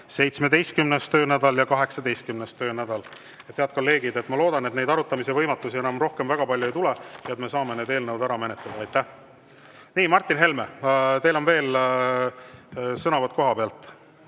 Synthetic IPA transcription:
se̞jt̪smed̪ejst̪̚kymnest̪ø̞ːnæd̪̥ɑljɑkɑɦe̞ksɑd̪̥e̞jst̪kymnest̪ø̞ːnæd̪̥ɑl | et̪heɑt̪̚ko̞lːe̞ːɡ̥id̪e̞t̪ːˑmɑlo̞ːd̪̥ɑnet̪nejd̪ɑɾut̪ːˑɑmise̞vɤjmɑt̪ːˑusie̞nɑmro̞hke̞mvæɡ̥ɑpɑlʲjue̞jt̪ulejɑet̪me̞sɑːme̞neːd̪e̞ːlnɤwd̪æɾɑmenet̪led̪̥ɑɑjt̪ːˑæh | niːmɑrt̪ːˑinɦe̞lme̞t̪e̞jlo̞nve̞ːl | sɤnɑvɑt̪̚ko̞ɦɑpeɑlt̪ˑ

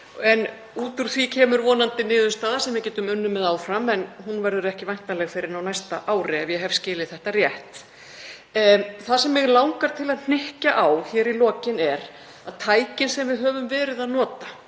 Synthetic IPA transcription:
ɛn | uːt̪ʏɾ̥θvicʰɛːmʏɾvɔːnant̪ɪnɪːðʏst̪aːðasɛmvɪcɛːt̪ʏmʏnːʏmːɛðaːwfɾamɛnɦunvɛɾðʏɾɛhcɪvajn̥t̪alɛɣfɪɾɪɾnawnajst̪aʔaːwɾɪɛvjɛɦɛv̥scɪːlɪθɛht̪arjɛht̪ | θasɛmːɪɣlawŋkaɾ̥t̪ʰɪlaðn̥ɪhcaʔawçɛːɾilɔːcɪnɛɾ | aðt̪ʰaːjcɪnsɛmvɪðɦœːvʏmvɛːɾɪðaðnɔːt̪a

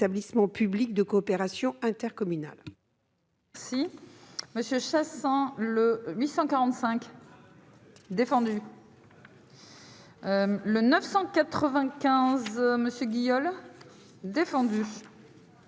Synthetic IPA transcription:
ablismɑ̃pyblik̚d̪əkɔːpeʁasjɔ̃ɛ̃t̪ɛʁkɔmyna̰l | ɛʁsiməsjəʃasɛ̃ləɥisɑ̃kaʁɑ̃t̪sɛ̃k | d̪efɑ̃d̪y | lənœfsɑ̃kat̪χəvɛ̃kʲɛ̃zməsjəɡʲijɔl | d̪efɑ̃d̪y

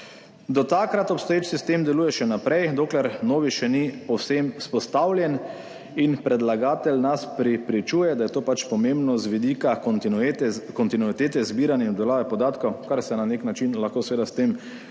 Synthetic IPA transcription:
d̪ɔt̪akɾat̪ɔpst̪ɔjeːt͡ʃsist̪eːmd̪ɛluːjɛʃɛnapɾɛjd̪oːklɛɾnoːʋiʃɛnipɔwsemspɔst̪aːwlʲjɛn | inpɾɛd̪laɡaːt̪ɛlnaspɾɛpɾit͡ʃuːjɛd̪ajɛt̪oːpat͡ʃpɔmẽmbnɔzʋid̪ikat̪ɛkɔnt̪inuit̪eːt̪ɛzbiːɾanjɛnɔbd̪ɛlaːʋɛpɔd̪aːt̪kɐwkaɾsɛnaneknat͡ʃinlaxkoːsʋeːd̪ast̪em

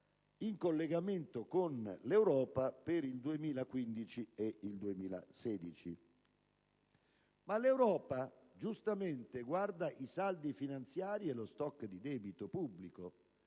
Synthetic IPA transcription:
iŋkolːeɡament̪okonlewɾɔːpapeɾild̪uemiːlakwind̪it͡ʃieild̪uemiːla̰sɛːd̪it͡ʃi | malewɾɔːpad͡ʒust̪ament̪eɡward̪aʔisald̪ifinant̪sjaːɾiɛlost̪ɔkːd̪id̪ɛːbit̪opubːliko

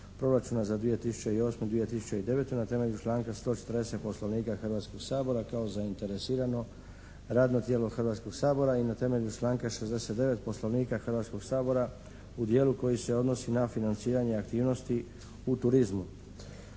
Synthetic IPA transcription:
pɾo̞ɾat͡ʃunazad̪ʋije̞t̪isu̥t͡ɕeio̞ːsmed̪ʋije̞t̪isut͡ɕeid̪e̞ʋe̞t̪unat̪e̞me̞ʎut͡ʃlˠaːŋkast̪o̞ːt͡ʃet̪əɾd̪e̞se̞t̪̚po̞slˠoʋniːkaxr̩ʋat̪sko̞ɡsaːbo̞ɾakaozaint̪e̞ɾe̞siːɾano̞ | ɾaːd̪not̪jeːlo̞xr̩ʋaːt̪sko̞ɡsaːbo̞ɾainat̪e̞me̞ʎut͡ʃlˠaːŋkaʃe̞zd̪e̞se̞t̪d̪e̞ʋe̞t̪̚po̞slo̞ʋniːkaxrʋat̪sko̞ɡ̥saːbo̞ɾa | ud̪jeːluko̞jise̞o̞d̪no̞sinafinant̪siːɾaɲe̞akt̪iːʋno̞st̪i | ut̪uɾizmu

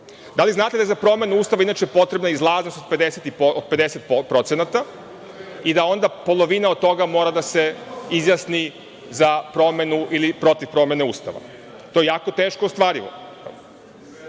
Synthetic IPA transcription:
d̪aliznaːt̪ed̪aezapɾo̞me̞nuuːst̪aʋainaːt͡ʃejepo̞t̪ɾebnaizlˠaːznost̪od̪pe̞d̪eset̪iod̪̚pe̞d̪eset̪̚ppɾo̞t̪senat̪a | id̪ao̞nd̪apo̞lˠo̞ʋinaot̪o̞ɡamo̞ːɾad̪ase̞izjasni | zapɾo̞me̞nuʔilipɾo̞t̪ifpɾo̞me̞ne̞ṵːst̪a̰ʋa̰ | t̪ojejaːko̞t̪e̞ːʃkoost̪ʋaːɾiʋo̰

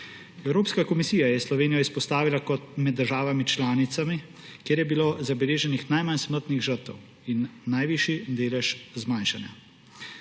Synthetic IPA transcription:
ɛwɾoːpskakɔmisiːjajɛslɔʋeːnijɔispɔst̪aːʋilakɔt̪̚mɛd̪ːəɾʒaːʋamit͡ʃlaːnit̪sami | kjeːɾjɛbiloːzabɛleːʒɛnixnajmansməɾt̪niɣʒəɾt̪ɛ̰w | inːajʋiːʃjid̪eːlɛʃzmanʃanja̰

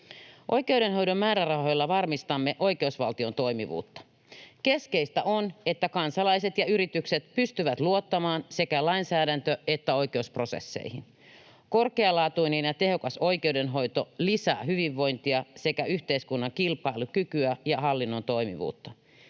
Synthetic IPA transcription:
ʔo̞jk̟e̞uɾe̞nɦo̞jdo̞mmæːɾærɑɦo̞jlːɑʋɑrmist̪ɑmːeʔo̞jke̞usʋɑlt̪io̞nt̪o̞imḭʋṵːt̪ːɑ̥ | ke̞ske̞ist̪æʔo̞ne̞t̪ːækɑnsɑlɑjset̪jɑyɾit̪ykset̪pyst̪yʋæt̪luo̞t̪ːɑmɑːnse̞kælɑinsæːdænt̪øet̪ːæo̞jke̞uspro̞se̞̰sːḛihin | ko̞rkeɑlɑːt̪uinenjɑt̪e̞ɦho̞kɑso̞ike̞udenɦo̞jt̪o̞lisæ̰ːɦyʋiʋːo̞jnt̪iɑse̞kæyçt̪eiskunːɑŋkilpɑilukykyæjɑɦɑlːinːo̞nt̪o̞jmḭʋṵːt̪ːɑ

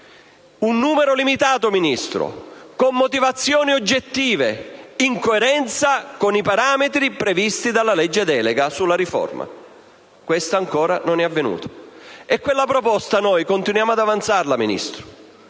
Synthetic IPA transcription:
unːuːmeɾolimit̪aːt̪ominist̪ɾʊ̰komːot̪ivat̪sːjoːniod͡ʒːet̪ːiːveiŋkoeɾɛnt̪sakonipaɾaːmet̪ɾipɾevist̪id̪alːalɛd͡ʒːed̪ɛːleɡasulːaɾifɔ̰rma̰ | kwest̪aːŋkɔːɾanonɛavːenṵːt̪o̥ɛkːwelːapɾopɔst̪anojkont̪inwjaːmoad̪avant̪sarlaminḭst̪ɾʊ̥

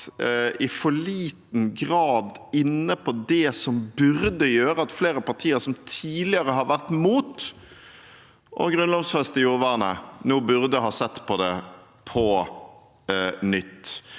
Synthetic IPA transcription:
ɪfɔɭiːt̪nɡʁɑːd̪ɪnːəpʰɔd̪ɛsɔmbʉɾd̪əjøːʁəɑt̪fleːɾəpɑʁt̪ʰiːəɾsɔmt̪ʰiːlɪəʁəɦɑɾʋæʁt̪muːt̪ | ʔɔ̰ɡʁʉnlɔʋsfɛst̪əjuːʁʋæʁnə̰noːbʉʁd̪əɦɑːsɛt̪ːpʰɔd̪ɛ | pʰɔ | nʏt̪ː

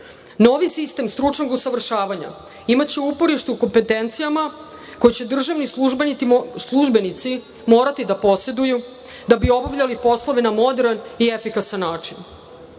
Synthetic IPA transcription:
no̞ːʋisist̪e̞mst̪ɾut͡ʂnoɡusaʋr̩ʃaːʋaɲa̰ | imat̪t͡ɕeuupo̞ɾiʃt̪uuko̞mpe̞t̪e̞nt̪sijama | ko̞jet͡ɕe̞d̪r̩ʒaʋnisuʒbenislˠuʒbe̞nit̪si | mo̞ːɾat̪id̪apo̞se̞d̪uju | d̪abio̞baʋʎalipo̞slˠo̞ʋenamo̞d̪eɾaniefikasanːaːt͡ʂin

